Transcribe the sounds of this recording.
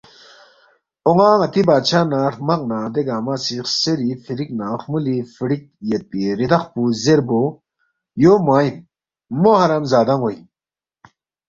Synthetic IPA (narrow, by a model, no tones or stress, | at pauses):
oŋaːŋɐt̪ibaːt͡ɕʰaːnaːɾmɐq̚naːd̪eɡaːmaːsixseɾifiɾiknaːxmulifiɽik̚ | jet̪̚iɾid̪ɐxpuzeɾbo | joːmaːimː | ohɐɾɐmzaːd̪aŋwoi